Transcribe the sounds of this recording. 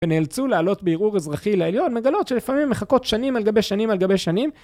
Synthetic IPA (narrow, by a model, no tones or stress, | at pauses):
veneːlt͡sulealo̞t̪beiʁuʁezʁaχileeljo̞nme̞ɡalotʃelifamimːeχako̞t̪ʃanimalɡabeʃanimalɡabeʃanim